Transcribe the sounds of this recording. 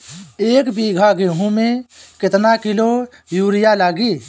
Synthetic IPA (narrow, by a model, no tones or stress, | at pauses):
eːkbiɡʱaɡẽːɦũmẽkɪt̪nakɪlo | juːɾɪjalaːɡiː